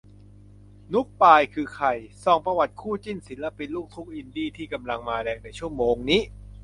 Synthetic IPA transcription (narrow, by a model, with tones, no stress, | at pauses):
nu˦˥k̚paː˧jkʰɯː˧kʰa˧˩jsɔː˧˩ŋpɾa˧wa˨˩t̪̚kʰuː˥˩t͡ɕi˥˩nsi˨˩˦nla˧˥pi˧nluː˥˩k̚t̪ʰu˦˥k̚ʔi˧ndiː˥˩t̪ʰiː˥˩ka˧mla˧ŋmaː˧ɾɛː˧ŋ̚na˧jt͡ɕʰu˥˩əmoː˧ŋniː˦˥